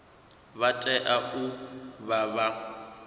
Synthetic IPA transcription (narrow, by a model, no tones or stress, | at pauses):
βatʼɛʔaʊbaβa